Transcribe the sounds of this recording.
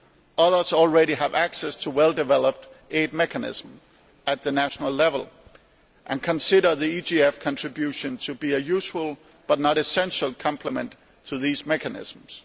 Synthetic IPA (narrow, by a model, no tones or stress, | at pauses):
ʔʌðə˞z̥ɔl̩ˠɹɛɾiəvæksɛstʰəwɛlˠdɨvɛlˠəp̚tʔeɪd̚mɛkɨnɪ̰z̥m̩ | ɨt̪̚ðɨnæʃnəl̩ˠlɛvəl̩ˠ | ʔɨ̃nkʰɨ̃nsɪɾə˞ðiid͡ʒiɛfkʰɑ̃ntɹ̥ɨbjʉʃɨ̃ntʰɨbiɨjʉsfəl̩ˠ | b̥ʌt̚ⁿnəɾɨsɛ̃nʃəl̩ˠkʰɑ̃mpʰləmə̃n | tʰəðizmɛkɨnɪ̰z̥m̩z̥